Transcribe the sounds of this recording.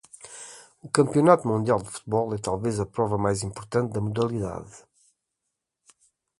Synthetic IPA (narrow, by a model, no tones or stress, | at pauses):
ukɐ̃mpiunat̪umũnd̪ialˠd̪ɨfu̥t̪βɔlˠɛt̪alˠvezɐpɾɔvɐmajzĩmpuɾt̪ɐ̃nt̪̚d̪ɐmuðɐlˠiða̰ð